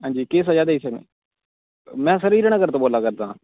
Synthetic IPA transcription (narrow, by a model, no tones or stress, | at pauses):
ɦãːɲd͡ʒiːkeːs̬əd͡ʒaːd̪eiːsəknḛː | mɛ̃ːsəɾiːɾəñaːɡəɾt̪õːboːlaːkəɾd̪ã̰ː